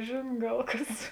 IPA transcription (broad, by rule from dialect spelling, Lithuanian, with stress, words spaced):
ˈʒʲeːn ˈɡɐlˠ ˈkɐs